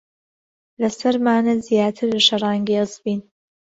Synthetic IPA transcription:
lɐsɐɾmaːnɐzjaːt̪ʰɨɾlɐʃɐrˤɑːŋɡiɨsbiːn

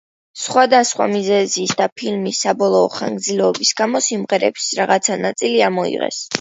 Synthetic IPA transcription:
sχwad̪asχwa̰mizɛziːsd̪apʰilmisːabɔlˠɔːχa̰ŋɡd̪zilɛɔbisɡamɔsimʁɛɾɛpsɾaʁat̪sʰanat̪sʼiliamɔḭʁɛ̰s

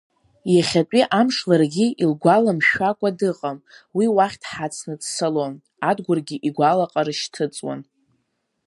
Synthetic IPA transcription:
jaχʲatʷʼiʔamʂlarɡʲiilɡʷalamʃᶣakʷʼadɨqʼamwiwaχʲtʰħat͡sʰnɨdsalo̞n | adɡʷʊrɡʲiʔiɡʷalaqʼaɾɨʃtʰɨt͡sʼwa̰n

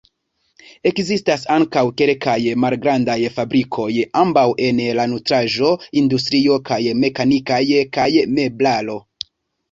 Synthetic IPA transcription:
e̞kzistasaŋkawke̞lkajmalɡɾandajfabɾikʰo̞jambawʔe̞nlanutɾaʒo̞industɾio̞kajme̞kanikajkajme̞blalo̞

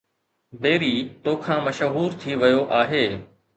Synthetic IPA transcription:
b̪eːɾiːt̪oːkʰãːmɐʃɦuːɾt̪ʰiʋɪjoʔaːɦeː

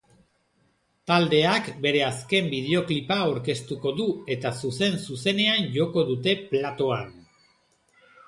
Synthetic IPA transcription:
t̪ald̪e̞akbe̞ɾe̞aske̞mbið̞e̞o̞klipaoɾke̞st̪uko̞ðue̞t̪asuse̞nsuse̞ne̞anʝo̞ko̞ðut̪e̞plat̪o̞an

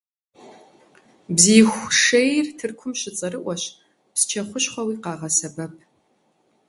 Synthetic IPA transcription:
bziːxʷʂejrtʰɨrkʷʰʊmɕɪt͡sʼɐrɨʔʷɔɕ | pst͡ʃʰɐχʷʊɕχʷɐwiːqɑːʁɐsɐbɐp̚ʰ

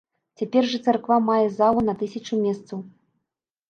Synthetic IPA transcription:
t͡sʲapʲɛrʐɐt̪sarkvamajɛzalˠunɐt̪ɨsʲɐt͡ʂumʲɛst̪sɐw

